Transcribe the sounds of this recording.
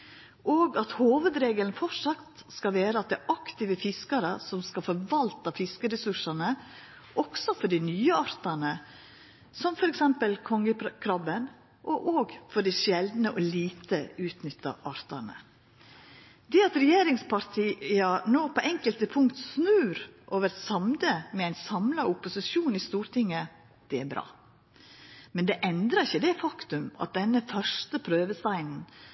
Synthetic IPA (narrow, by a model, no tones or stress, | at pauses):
ʔoːɡɑt̪hoːʋəd̪ɾeːɡələn̩fɔʂɑkt̪skɑʋeːɾəɑt̪̚d̪æʔɑkt̪ɪʋəfɪskɑɾə̰sɔmskɑfɔɾʋɑlt̪ɑfɪskəɾɛsʉʂɑnə | ʔɔksɔfɔɖɪnyːəɑɾt̪ɑnə | sɔmfɔɾɛksɛmpəlkʰɔŋːəkʰɾɑbən | ʔɔʔoːɡfɔɖiʃjɛld̪nəʔɔliːt̪əʉːt̪nʏt̪ːɑ̰ʔɑɾt̪ɑɳə̰ | d̪ɛɑt̪ɾɛjeːɾɪŋspʰɑɾt̪ʰiːɑnoːpʰɔʔɛŋkəlt̪əpʰʊŋkt̪snʉːɾʔoːʋəɾsɑmd̪əmɛæɪnsɑmlɑʊpʊsɪʃuːnɪst̪uːɾt̪ʰɪŋːə | d̪̥ɛæɾbɾɑ̰ː | mɛnd̪ɛʔɛnd̪ɾɑɪçəd̪ɛfɑkt̪ʉmɑ̰t̪̚d̪ɛnːəfœʂt̪əpʰɾøːʋəst̪æɪnn̩